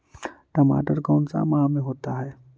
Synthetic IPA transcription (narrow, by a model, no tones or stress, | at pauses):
ʈɐma̰ːʈəɾkaːʊnsa̰maɦãmẽɦoːt̪aɦɛː